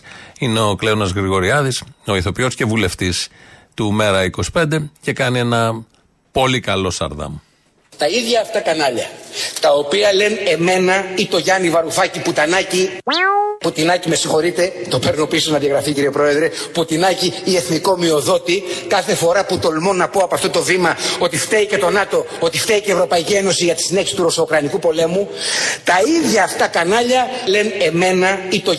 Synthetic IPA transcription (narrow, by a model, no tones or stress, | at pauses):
ineo̞kleonɐzɣɾiɣo̞ɾiɐðiso̞iθo̞piosce̞vule̞ft̪ist̪ume̞ɾɐiko̞si̥pe̞nd̪e̞ce̞kɐnie̞nɐ | po̞likɐlo̞st̪ɐ̰ɾðɐ̰m | t̪ɐiðʝɐːft̪ɐkɐnɐʎɐt̪ɐopiɐle̞ne̞me̞nɐit̪o̞ʝɐnivɐɾufɐciput̪ɐnɐci | put̪inɐcime̞sĩxo̞ɾit̪e̞t̪o̞pe̞ɾnopisonɐðjɐɣɾɐficiɾiepɾo̞e̞ðɾe̞put̪inɐciie̞θniko̞mio̞ðo̞t̪ikɐθe̞fo̞ɾɐput̪o̞lmo̞nːɐpo̞ɐpɐft̪o̞t̪o̞vimɐot̪ift̪eice̞t̪o̞nɐt̪o̞ | o̞t̪ift̪eicevɾo̞pɐicie̞no̞siʝɐt̪i̥sine̞çisi̥t̪uɾo̞soːkɾɐnikupo̞le̞mut̪ɐiðʝɐːft̪ɐkɐnɐʎɐle̞ne̞me̞nɐit̪o̞